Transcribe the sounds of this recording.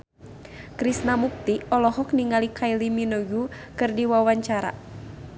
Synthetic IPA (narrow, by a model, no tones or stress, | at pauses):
kɾisnamuk̚t̪iɔlɔɦɔk̚niŋalikʰailiminɔɡu | kɨrdiwawaɲt͡ʃaɾa̰